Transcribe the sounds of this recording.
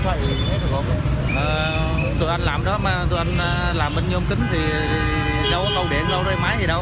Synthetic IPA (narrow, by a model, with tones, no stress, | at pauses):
t͡ɕʰwa̰˧˨ɗɨ˨˩ɲɨ˧˩t̪ʰe˨˦ɗɨ˨˩ək̚hə˧wŋ͡m | ʔəː˨˩ | t̪ṵ˨˧˩jʔa˧ŋ̟laː˨˩mɗɔ˨˦maː˨˩t̪u˧˩jʔa˧jŋ̟ː˨˩ | laː˨˩mɓe˧nɲ˧ŋ͡mkï˨˦ŋ˩t̪ʰi˨˩˨ | zə˨˧wkə˧wɗe˨˧˩zə˧wzə˧˩jmaː˨˦jt̪ʰi˨˩ɗə˧w